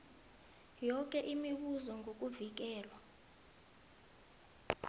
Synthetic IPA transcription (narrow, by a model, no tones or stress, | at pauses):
jɔk̬ʼɛʔimiɓuzɔŋɡʱok̬ʼuvik̬ɛːlwa